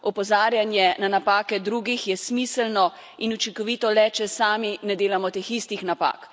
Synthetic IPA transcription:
ɔpɔzaːɾjanjɛnanapaːkɛd̪ɾuɡixjɛsmiːsɛlnɔ | inut͡ʃiŋkɔʋiːt̪ɔlɛt͡ʃɛsaːminɛd̪eːlamɔt̪eːxist̪ixnapa̰ːk

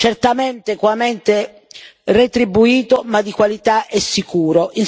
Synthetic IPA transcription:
t͡ʃɛrt̪amɛnt̪ekwamɛnt̪e | ret̪ɾibːuiːt̪omad̪ːikwalit̪aʔɛsːikuːɾoʔin

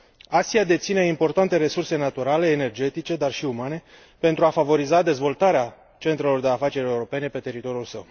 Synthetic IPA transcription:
asiad̪e̞t̪sine̞impo̞rt̪ant̪e̞ɾe̞surse̞nat̪uɾale̞ːne̞rd͡ʒe̞t̪it͡ʃe̞d̪arʃiumane̞ | pe̞nt̪ɾuafavo̞ɾizad̪e̞zvo̞lt̪aɾea | t͡ʃe̞nt̪ɾe̞lo̞rd̪e̞afat͡ʃe̞ɾe̞uɾo̞pe̞ne̞pe̞t̪e̞ɾit̪o̞ɾjulsəw

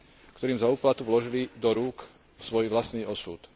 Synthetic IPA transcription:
kt̪ɔɾiːmzauːplat̪uʋlɔʒilid̪ɔɾuːk | sʋɔjʋlasniːʔɔsuːt̪

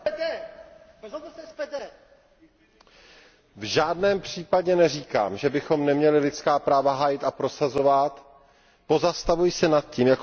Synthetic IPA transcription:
dɛ | vʒaːdnɛːmpr̝̥iːpaɟɛnɛriːka̰ːmʒɛbɪxo̞mnɛmɲɛlɪlɪt͡skaːpɾaːvaɦaːjɪt̪apɾo̞sazo̞vat̪ | po̞zast̪avujsɛnat̪̚ciːmjak

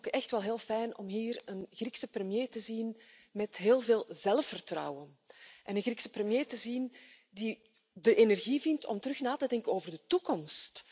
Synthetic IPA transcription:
kəɛxtʋɛlˠɦeːlˠfɛjnɔ̰mɦiːrənɣriksəprəmjeːtəzinmɛtɦeːlˠveːlˠzɛlˠfːərtrɑ̰wən | ʔɛnənɣriksəprəmjeːtəzin | di | dəʔenɛrɣivɪntʰɔ̰mtəɾɵxnaːtədɛŋkənoːvərdətukɔmst

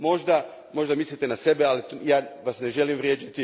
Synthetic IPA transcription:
mo̞ʒd̪a | mo̞ʒd̪amislit̪enase̞bealijaːʋasne̞ʒe̞limʋɾje̞ːd͡ʒit̪i

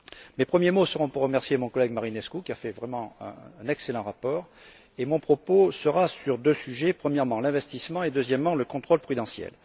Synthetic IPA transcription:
mepχəmjemosəʁɔ̃puʁːəmɛʁsjemɔ̃kɔlɛɡmaʁinɛskukʲiafɛvʁɛmɑ̃ɛ̰̃ɛ̃nɛkselɑ̃ʁapɔʁ | emɔ̃pχɔposəʁasyʁd̪øsyʒepχəmjɛʁmɑ̃lɛ̃vɛst̪ismɑ̃ed̪øzjɛmːɑ̃ləkɔ̃t̪χɔlpχyd̪ɑ̃sjɛ̰l

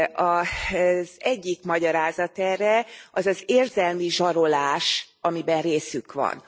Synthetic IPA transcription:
ɒ | zɛɟːikmɒɟɒɾaːzɒt̪ɛrːɛɒzɒzeːrzɛlmiʒɒɾo̞laːʃ | ɒmibɛnreːsykʋɒ̰n

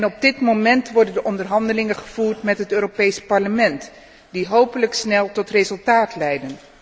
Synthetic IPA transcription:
nɔb̚dɪtmomɛntʋɔɹdəndəʔɔndərɦɑndəlɪŋəχəv̥uːɹtmɛtɦətøːropejspɑɹləmɛnt | diɦowpələksnɛlˠtɔtrezɵlˠtaːtlɛjdən

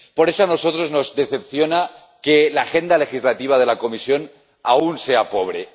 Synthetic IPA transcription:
po̞ɾe̞soanoso̞t̪ɾo̞zno̞zd̪e̞θe̞pθjo̞na | kelaːxe̞nd̪ale̞xizlat̪iβ̞að̞e̞lako̞misjo̞n | aunse̞apo̞β̞ɾe

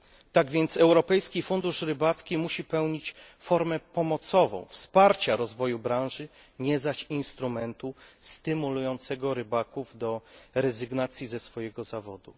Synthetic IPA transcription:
t̪aɡvʲjɛnt̪sɛwɾɔpɛjskʲifund̪uʂɾɘbat̪skʲimuɕipɛwɲit͡ɕ | fɔɾmɛpɔmɔt̪sɔvɔ̰̃w̃fspaɾt͡ɕaɾɔzvɔjubɾãw̃ʐɘ | ɲɛzaɕinst̪ɾumɛnt̪ust̪ɘmulujɔnt̪sɛɡɔɾɘbakuvd̪ɔɾɛzɘɡnat̪sʲjizɛsfɔjɛɡɔzavɔd̪u

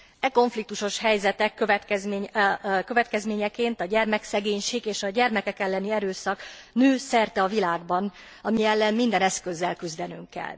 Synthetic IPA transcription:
ɛko̞ɱflik̚t̪uʃo̞ʃhɛjzɛt̪ɛkːøvɛt̪kɛzmekø̞vɛt̪kɛzmeːɲɛkeːnt̪ɒɟɛrmɛksɛɡeːɲʃeːɡeːʃɒɟɛrmɛkɛkɛlːɛniɛɾøːsɒknøːsɛrt̪ɛɒvilaːɡ̚bɒn | ɒmijɛlːɛmmind̪ɛnɛskø̞zːɛlkyzd̪ɛnyŋkːɛ̰lː

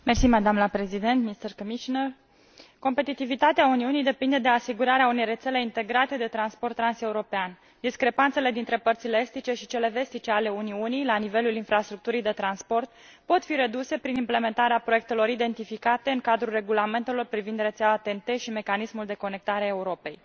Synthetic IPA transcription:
mersimad̪amnləpɾe̞zid̪e̞nt̪mist̪ərkomiʃinər | ko̞mpe̞t̪it̪ivit̪at̪eauniunijd̪e̞pind̪e̞d̪e̞asiɡuɾaɾeaune̞jre̞t̪se̞le̞int̪e̞ɡɾat̪e̞d̪e̞t̪ɾanspo̞rt̪ːɾanse̞uɾo̞pean | d̪iskɾe̞pant̪se̞le̞d̪int̪ɾe̞pərt̪sileest̪it͡ʃe̞ʃit͡ʃe̞le̞ve̞st̪it͡ʃeale̞uniunijlanive̞lulinfɾast̪ɾuk̚t̪uɾijd̪e̞t̪ɾanspo̞rt̪̚ | po̞t̪fiɾe̞d̪use̞pɾinimple̞ment̪aɾeapɾoek̚t̪e̞lo̞ɾid̪e̞nt̪ifikat̪e̞ɨŋkad̪ɾulre̞ɡulame̞nt̪e̞lo̞rpɾivind̪re̞t̪seaat̪ent̪e̞ʃime̞kanismuld̪e̞ko̞ne̞k̚t̪aɾeaeuɾo̞pe̞j

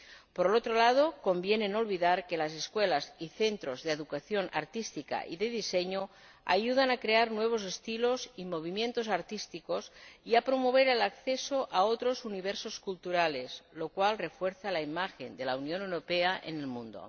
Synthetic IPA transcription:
poɾelot̪ɾolað̞oko̞mbjenenolβiðaɾkelaseskwelaziθent̪ɾozðeðukaθjo̞nʔa̰ɾt̪ist̪ika̰ʔiðeðiseɲo | a̰juð̞anakɾeaɾnweβ̞osest̪ilozimo̞β̞imjẽ̞nt̪ozaɾt̪ist̪ikosiapɾomoβ̞eɾelakθesoʔaot̪ɾozuniβ̞eɾsoskult̪uɾaleslokwalrefweɾθalaimaxend̪elaunjonewɾopeaʔḛnelmũnd̪o̰

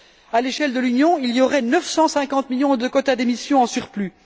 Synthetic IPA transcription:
aleʃɛld̪əlynjɔ̃ilijɔʁɛnəfsɑ̃sɛ̃kɑ̃t̪miljɔ̃d̪əkɔt̪ad̪emisjɔ̃ɑ̃syʁply

